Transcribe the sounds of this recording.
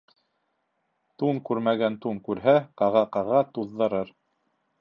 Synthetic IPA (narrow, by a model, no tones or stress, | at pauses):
t̪uŋkʉɾmæɡænt̪uŋkʉɾɦæqɑʁɑqɑʁɑt̪uðːɤ̆ɾɤɾ